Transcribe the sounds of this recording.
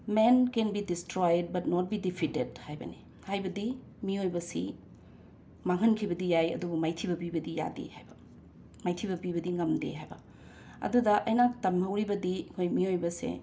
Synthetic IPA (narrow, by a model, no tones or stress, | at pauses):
menkenbidistɾojd̚bɐt̚nɔt̚bidipʰitedhajbɐ̰ne | hajbɐdi | miojbɐsi | maŋɦɐnkʰibɐdijajɐ̰dubumajtʰibɐbibɐdija̰dḛhajbɐ | majtʰibɐbibɐdiŋɐmdḛɦajbɐ̰ | ɐ̰dudɐʔɐjnaktɐmhɐwɾibɐdikʰojmiojbɐsḛ